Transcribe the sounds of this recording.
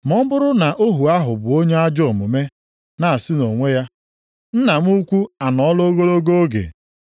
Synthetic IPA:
m̩ɔ˦m̩˦bʊ˦ɾʊ˦na˨ʔo˦ɦu˨a˦ɦʊ˨bʊ˨o˦ɲe˦a˦d͡ʒɔ˦˨mʊ˨me˦ | na˨a˨sɪ˦no˨ŋʷe˦ja˦ | n̩˦na˨m̩˦u˦kʷu˦a˨nɔ˨ɔ˦lo˦ɡo˦ɾo˦ɡo˦o˦ɡḛ˨

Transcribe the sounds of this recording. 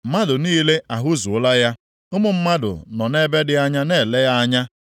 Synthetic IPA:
ma˦dʊ˨niː˦le˦a˨ɦʊ˦zʊ˨ʊ˦la˦ja˦ | ʊ˦mʊ˨m̩˦ma˦dʊ̰˨nɔ˨ne˦be˦dɪ˦a˦ɲa˦ne˦˨le˦ja˦a˦ɲa˦

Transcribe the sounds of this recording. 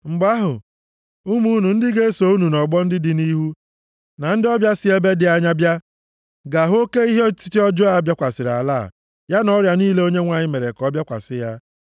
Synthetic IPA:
ŋ͡m̩˨ɡ͡ba˦ɦʊ̰˨ | u˦mu˦nu˨n̩˦dɪ˦ɡe˦so˨u˦nu˨nɔ˨ɡ͡bɔ˦n̩˦dɪ˦dɪ˦ni˦ɦu˦ | na˨n̩˦dɪ˦ɔ˦bja˦sɪ˦e˦be˦dɪ˨a˨ɲa˦bja˦ | ɡa˨ɦo˦ke˦i˦ɦe˦t͡ʃi̥˦ti˦ɔ˦d͡ʒɔ˦a˨bja˦kʷa˨sɪ˨ɾa̰˨la̰ː˦˨ | ja˦nɔ˦ɾja˨niː˦le˦o˦ɲe˦ŋʷa˨ɲɪ˦me˨ɾe˨kɔ˦bja˦kʷa̰˨sɪ˦ja˦

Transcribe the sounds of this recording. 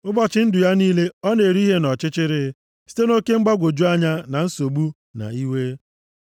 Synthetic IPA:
ʊ˦bɔ˨t͡ʃɪ˦n̩˦dʊ˨ja˦niː˦le˦ɔ˦ne˨ɾi˦ɦe˦nɔ˨t͡ʃɪ˦t͡ʃɪ˦ɾɪ˦ | si̥˦te˦no˦ke˦ŋ͡m̩˦ɡ͡ba˦ɡʷo˨d͡ʒu˦a˦ɲa˦na˨n̩˦so˨ɡ͡bu˦ | na̰˨i˦we˦

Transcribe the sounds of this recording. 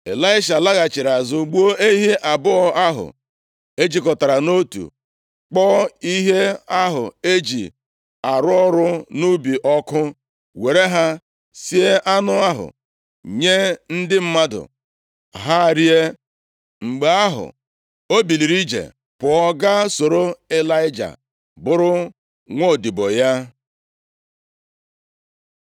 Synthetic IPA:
ḛ˨la˦ɪ˦ʃ̬a˨la˦ɣa˨t͡ʃɪ˨ɾa˨zʊ˦ɡ͡bu˦o˦e˦ɦi˦ʔa˨bʊ˦ɔ˦a˦ɦʊ̰˨ | e˦d͡ʒi˨kɔ˨ta˨ɾa˨no˦tṵ˨ | k͡pɔ˦i˦ɦe˦a˦ɦʊ̰˨e˦d͡ʒḭ˨ | a˨ɾʊ˦ɔ˦ɾʊ˦nu˦bi˨ʔɔ˦kʊ˦ | we˨ɾe˦ɦa˦ | si˦e˦ʔa˦nʊ˦a˦ɦʊ̰˨ | ɲe˦n̩˦dɪ˦m̩˦ma˦dʊ̰˨ | ɦa˦˨ɾi˦e˦ | ŋ͡m̩˨ɡ͡be˨˦a˦ɦʊ̰˨ | o˦bi˨li˨ɾi˦d͡ʒḛ˨ | pʊ˨ɔ˦ɡa˦so˨ɾo˦e˦la˦ɪ˦d͡ʒa̰˨ | bʊ˦ɾʊ˦ | ŋʷo˦˨di˨bo˨ja˦

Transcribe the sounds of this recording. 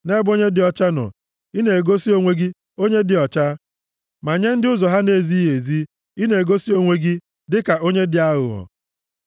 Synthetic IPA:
ne˦bo˦ɲe˦dɪ˨ɔ˦t͡ʃa˦nɔ̰˨ | i˦ne˨e˨ɡo˦si˦o˦ŋʷe˦ɡɪ˦ | o˦ɲe˦dɪ˨ɔ˨t͡ʃa˦ | ma˨ɲe˦n̩˦dɪ˦ʊ˦zɔ˨ɦa˦ne˦˨zi˦ɦe˨zi˦ | i˦ne˨e˨ɡo˦si˦o˦ŋʷe˦ɡɪ˦ | dɪ˦ka˨ʔo˦ɲe˦dɪ˨a˦ɣʊ̰˨ɔ̰˨

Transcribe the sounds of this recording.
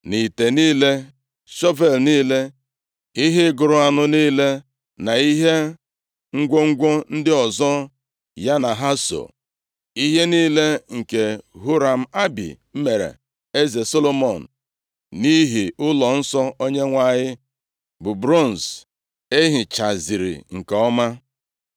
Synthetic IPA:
ni˨te˨niː˦le˦ | ʃɔ˦ve˦˨lniː˦le˦ | i˦ɦɪ˦ɡʊ˨ɾʊ˦a˨nʊ˦niː˦le˦ | na˨i˦ɦe˦ | ŋ̩˦ɡʷo˦ŋ̩˦ɡʷo˦n̩˦dɪ˦ɔ˨zɔ˦ | ja˦na˨ɦa˦so̰˨ | i˦ɦe˦niː˦le˦ŋ̩˨ke˨ɦu˦ɾa˨m̩˦a˦bḭ˨m̩˦me˨ɾḛ˨ | e˦ze˨so˦lo˦mo˨n̩˨ | ni˦ɦi˨ʊ˦lɔ˨n̩˦sɔ˦o˦ɲe˦ŋʷa˨ɲɪ˦ | bʊ˨bɾo˦˨n̩˨s | e˦ɦi˨t͡ʃa˨zi˨ɾḭ˨ŋ̩˨ke˨ɔ˦ma˦

